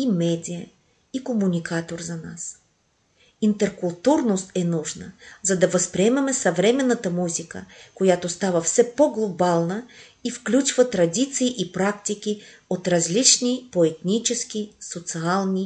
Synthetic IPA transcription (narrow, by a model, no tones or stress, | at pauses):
imɛd̪ʲijə | ikomunʲikʰat̪oɾzɐnas | int̪ɛɾkulˠt̪uɾnost̪ɛnuʒnəzɐd̪ɐvɐspɾiɛmɛmɛsɐvɾɛmɛnːət̪əmuzikə̰kojat̪ost̪avəfsɛpoɡlˠobalˠnə | ifklʲut͡ʃvət̪ɾɐd̪ʲit̪siːʔipɾakt̪ʲik̟ʲiot̪ɾɐzlit͡ʃnʲipoɛt̪nit͡ʃɛsk̟ʲisot̪sialˠnʲi